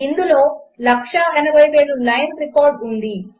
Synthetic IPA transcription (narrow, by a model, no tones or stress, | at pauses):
ind̪ulo̞ːlɐkʂɐɐnɐbʱɐjʋeːɽulɐjnɾikoːɾɖund̪i